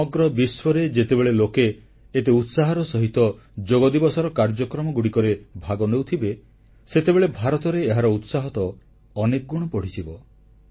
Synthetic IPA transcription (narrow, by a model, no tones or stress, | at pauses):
ɔɡɾɔbiswɔɾed͡ʒet̪ebeɭelokeː | t̪eut̪saɦɔɾɔsɔɦit̪ɔ | d͡ʒoɡɔd̪ibɔsɔɾɔkaɾd͡ʒɔkɾɔmɔɡuɽikɔɾebʱaɡɔnewt̪ʰibe | set̪ebeɭebʱaɾɔt̪ɔɾeːɦaɾɔut̪saɦɔt̪ɔː | nek̚ɡuɽ̃ɔpɔɽ̤it͡ʃʰibɔ